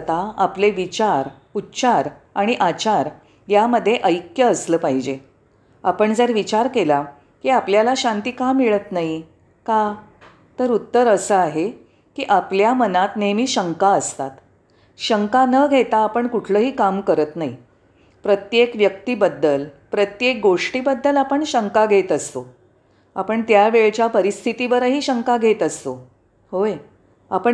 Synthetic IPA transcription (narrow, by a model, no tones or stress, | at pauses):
t̪aapleʋit͡ɕaɾ | utːt͡ɕaɾ | aɽ̃iʔat͡ɕaɾ | jaməd̪ʱːjeʔəjkjəːsləːpaɦid͡ʑe | apəɳd͡zəɾʋit͡ɕaɾkela | kiapljalaɕant̪iːkamiɭət̪naɦi | ka | t̪əɾut̪ːəɾəsəaɦe | kiːʔapljamənat̪nemiːɕəŋkaəst̪at̪ | ɕəŋkanəɡʱet̪aːpəɳkuʈʰləːɦiːkamkəɾət̪naɦḭ | pɾət̪jekʋjək̚t̪iːbəd̪ːəlpɾət̪jek̚ɡoʂʈiːbəd̪ːəlapəɳɕəŋkaɡʱet̪əst̪o | apəɳt̪jaʋeɭt͡ɕjapəɾist̪ʰit̪iʋəɾəɦiːɕəŋkaɡʱet̪əst̪o | hoj | a̰pəɳ